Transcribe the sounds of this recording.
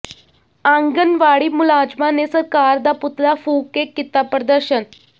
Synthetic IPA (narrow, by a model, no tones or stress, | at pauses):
aŋɡənʋaɽiːmulad͡ʑmanesəɾkaɾd̪aput̪ɾafuːkekːit̪apɾəd̪əɾɕən